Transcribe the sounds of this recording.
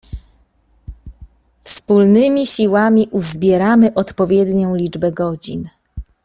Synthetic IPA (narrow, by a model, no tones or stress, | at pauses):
fspulnɘmʲiɕiwamʲiʔuzbʲjɛɾamɘʔɔt̪pɔvʲjɛd̪ɲɔ̃w̃lʲid͡ʐbɛɡɔd͡ʑḭn